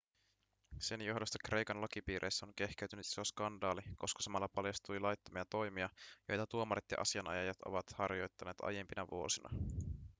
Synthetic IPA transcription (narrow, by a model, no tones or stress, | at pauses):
se̞njo̞ɦdost̪ɑ̥kre̞jkɑnlɑk̟ipiːɾʔejsːæoŋk̟e̞hk̟eyt̪ynyt̪iso̞skɑndɑːliko̞skɑ̥sɑmɑlːɑpɑljɑst̪ujlɑjt̪ːomiɑt̪o̞jmiɑjo̞̰jt̪ɑt̪uomɑɾet̪jɑ̰ʔɑ̰siɑnɑ̰jɑjɑt̪o̞̰ʋɑt̪hɑrjo̞jt̪ːɑne̞ːt̪ɑ̰jempinɑʋṵo̞sinɑ̰